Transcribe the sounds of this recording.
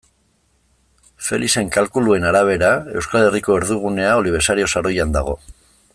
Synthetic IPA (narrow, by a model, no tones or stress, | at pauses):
fe̞̰lise̞ŋkalkulue̞naɾaβ̞e̞ɾae̞wskale̞riko̞e̞ɾðuɣ̞une̞ao̞liβ̞e̞ɾsaɾio̞saɾo̞jand̪aɣo̞̰